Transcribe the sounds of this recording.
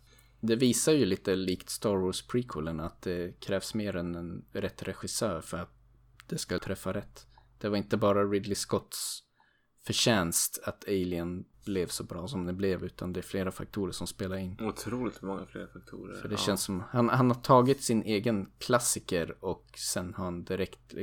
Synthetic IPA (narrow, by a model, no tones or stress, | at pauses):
d̪ɛviːsajɵliːt̪əliːkt̪st̪ɑːɾwɔspʰɾiːkʰɪlənat̪̚d̪ɛkʰɾɛːvsmeːɾɛnɛnɾɛt̪ːɾɛɧɪsœːɾfœɾat̪̚ | d̪̥ɛskat̪ʰɾɛfːaɾɛt̪ːd̪̥ɛvaɾɪnt̪əbɑːɾaɾɪd̪lɪskɔt̪s | fœɕɛnst̪at̪ʰɛɪlɪənb̥lɛvsɔbɾɑːsɔmd̪ɛblɛvʉ̟ːt̪ʰand̪ɛæɾfleːɾafa̰k̚t̪ʰuːɾəʂɔmspeːlaɾɪnːʊt̪ʰɾuːlɪt̪mɔŋːaflḛːɾafak̚t̪ʰṵːɾə̰fəɖɛɕɛnsːɔmhanhanhaʈʰɑːɡɪt̪sɪnʔeːɡənkʰlasɪkəɾɔksɛnhaɾhand̪ɪɾɛkt̪